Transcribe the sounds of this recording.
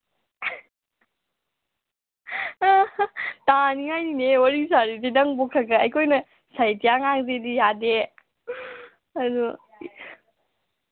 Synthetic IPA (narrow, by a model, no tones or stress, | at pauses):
taniŋajninewaɾisaɾididɐŋbokʰaɡɐɐjkʰojnɐ | sajtijaŋaŋzedijade | ɐdu